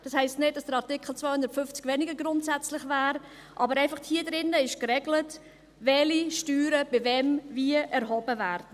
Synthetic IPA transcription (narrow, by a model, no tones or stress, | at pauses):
d̥ɑshɛɪstnɪd̚d̥ɑsd̥əɾɑʁtɪkχl̩t͡svaɪhʊndətfʏft͡sɡvɛnɪɡəɡɾʊntsɛt͡slɪχvæːɾ | ʔɑ̰ːbəɾɛɪfɑχthiːədɾɪnːəɪʃkɾɛɡlət | vɛliʃtyːɾəb̥ɪvɛmviəʔɛɾhɔbəvæːɾdn̩